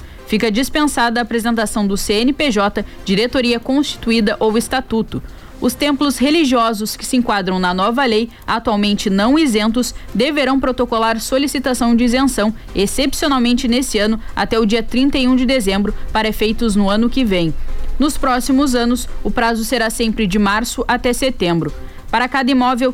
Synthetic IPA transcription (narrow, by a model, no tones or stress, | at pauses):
fikɐd͡ʒispẽsad̪ɐːpɾezẽnt̪asɐ̃w̃d̪ʊseẽnɪpeʒɔt̪ɐd͡ʒiɾet̪oɾiɐkõst͡ʃi̥t̪uid̪ɐʔowɪst̪at̪ut̪ʊ | ʊst̪ẽmplʊsheliʒiɔzʊskɪ̥sɪẽkwad̪ɾɐ̃w̃nɐnɔvɐlej | at̪uawmẽnt͡ʃɪnɐ̃w̃ezẽnpʊsd̪eveɾɐ̃w̃pɾot̪okolaɾsolisit̪asɐ̃w̃d͡ʒɪizẽsɐ̃w̃ | esepsionawmẽnt͡ʃɪnesɪɐ̃nʊa̰t̪ɛʊd͡ʒiɐt̪ɾĩnt̪ɐjũd͡ʒɪd̪ezẽmbɾʊpaɾɐefejt̪ʊznʊɐ̃nʊkɪvẽj̃nʊspɾɔsimʊzɐ̃nʊsʊpɾazʊseɾasẽmpɾɪd͡ʒɪmaɾsʊʔat̪ɛset̪ẽmbɾʊ | paɾɐkad̪ɐimɔvew